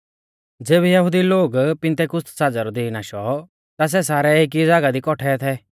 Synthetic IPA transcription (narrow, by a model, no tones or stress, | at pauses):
d͡zeːβɛjɐɦʊd̪iloːɡpɪ̃nt̪ekʊst̪saːd͡zaɾɔd̪iinaːʃɔ | t̪as̬ɛsaːɾɛek̬iɪd͡zaːɡad̪ikɔʈʰɛt̪ʰɛː